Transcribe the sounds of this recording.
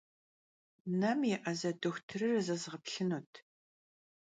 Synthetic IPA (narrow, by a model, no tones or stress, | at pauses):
nɐmjɛʔɐzɐdɨxʷtʰɨrɨrɨzɐzʁəpɬɨnuːtʰ